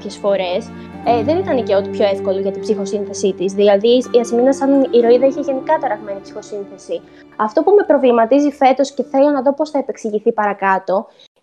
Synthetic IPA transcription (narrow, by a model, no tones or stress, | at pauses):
çe̞sfo̞ɾe̞s | ðe̞nit̪ɐneceot̪ipço̞e̞fko̞liʝɐt̪ibsixo̞sinθe̞sit̪izðilɐðiiɐsiminɐsɐniɾo̞iðɐiçe̞ʝe̞nikɐt̪ɐɾɐɣme̞nipsi̥xo̞sinθe̞si | ɐft̪o̞pume̞pɾo̞vlimɐt̪izife̞t̪o̞sce̞θe̞lo̞nɐðo̞po̞sθɐepe̞ksiʝiθipɐɾɐkɐt̪o̞